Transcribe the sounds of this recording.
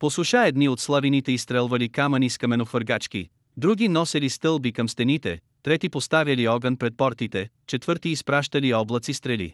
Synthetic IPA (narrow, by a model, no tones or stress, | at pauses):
posʊʃaɛd̪niot̪slˠavinit̪ɛist̪ɾɛlˠvɐlikamɐniskɐmɛnofəɾɡat͡ʃk̟ḭ | d̪ɾuɡʲinɔsɛlist̪ɤlˠbikɐmst̪ɛnit̪ɛ̰ | t̪ɾɛt̪ipost̪avʲjɐliɔɡənpɾɛt̪̚pɔɾt̪it̪ɛ | t͡ʃɛt̪vɤɾt̪iːspɾaʃt̪ɐliɔblˠət̪sist̪ɾɛlḭ